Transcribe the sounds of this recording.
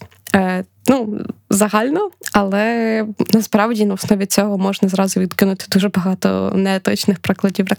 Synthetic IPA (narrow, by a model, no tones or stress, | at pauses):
nuzɐɦɑlʲnɔɐlˠɛnɐspɾɑwdʲinɐɔsnɔʋʲit͡sʲɔɦɔmɔʒnɐzɾɑzʊʋʲid̪kɪnʊt̪ɪ̥d̪uʒɛbɐɦɑt̪ɔ̰nɛt̪ɔt͡ʃnɪxpɾɪklˠɐdʲiwɾɐ